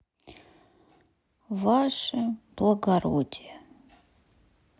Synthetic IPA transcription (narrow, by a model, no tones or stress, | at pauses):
vaʂəb̥lˠəɡaɾodʲijə